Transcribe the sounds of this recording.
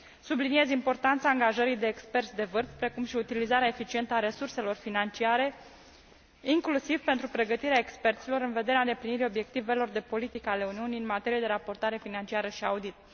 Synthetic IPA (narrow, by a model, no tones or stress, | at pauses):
sublinie̞zimpo̞rt̪ant̪saːŋɡaʒəɾijd̪e̞ːkspe̞rt̪sʲd̪e̞vɨrfpɾe̞kumʃiut̪ilizaɾeaefit͡ʃie̞nt̪əaɾe̞surse̞lo̞rfinant͡ʃiaɾe̞ | iŋklusivpe̞nt̪ɾupɾe̞ɡət̪iɾeaekspe̞rt̪silo̞ɾɨnve̞d̪eɾeaɨnd̪e̞pliniɾio̞bje̞k̚t̪ive̞lo̞rd̪e̞po̞lit̪ikəale̞uniuniɨnmat̪e̞ɾije̞d̪e̞ɾapo̞rt̪aɾe̞finant͡ʃiaɾəʃiaud̪it̪̚